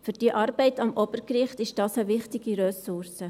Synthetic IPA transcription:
fyɾd̥iəʔɑːɾb̥ɛɪtɑmʔɔb̥əɾkɾɪχtɪʃd̥ɑːsəʋɪχtɪɡiɾœsʊɾsə

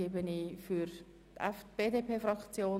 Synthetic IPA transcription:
eːbənifyɾ | tɛfb̥eːdeːpʰeːfrɑkt͡sjoː

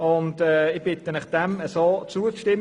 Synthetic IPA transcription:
ʊndɛːɪb̥ɪt̪ənɪχd̥ɛməsoːt͡suːəʃtɪm

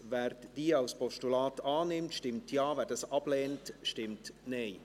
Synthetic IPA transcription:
vɛːɾd̥iːaʊspɔʃtulɑːtɑːnɪmtʃtɪmtʰjɑːvɛːɾd̥ɑsɑb̥lɛːntʃtɪmtneɪ

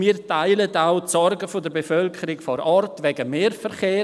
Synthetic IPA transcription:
miːɾtaɪlətaʊtsɔrɡəfodəɾbefœlkʰəɾɪkfɔɾɔrtʋɛɡəmeːɾfɛɾχeː

